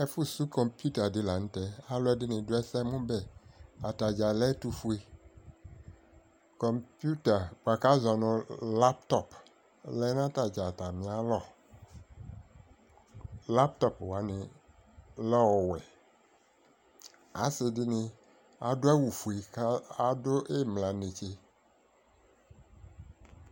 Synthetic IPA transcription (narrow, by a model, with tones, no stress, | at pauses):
ɛ˨˦fu˦su˦kɔ˨mpju˦ta˨dɪ˦la˨n̩˦t̪ɛ˦a˦lo˦ɛ˦dɪ˦nɪ̃˨do˦ɛ˦sɛ˦mũ˦bɛ˦a˨t̪a˨d͡ʒa˨lɛ˦t̪u˦fu˦e˨ | kɔ˨mpju˦t̪a˨k͡pa˨ka˦za˨nʊ̃˨la˦pt̪ɔ˦˨p | lɛ˦nã˦t̪a˨d͡ʒa˨t̪a˨mĩ˨a˦lɔ˦ | la˦p̚t̪ɔ˦pwa˨nẽ˨ | lɔ˦˨wɛ˨ | a˨sɪ˨dɪ˦nẽ˦ | a˨do˦a˦wu˨fu˨e˨˦a˦do˦ʔe˦mlã˨ne˨t͡ʃe˦